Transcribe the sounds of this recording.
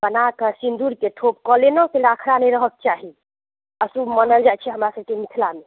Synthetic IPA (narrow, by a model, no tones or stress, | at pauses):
bənakəsind̪uɾkeʈʰopkɔlenɔkelakʰɾanɛjɾəɦək̚t͡ʃaɦi | əsumənəld͡ʒat͡ʃʰɛɦəmɾasəb̚kemit̪ʰlame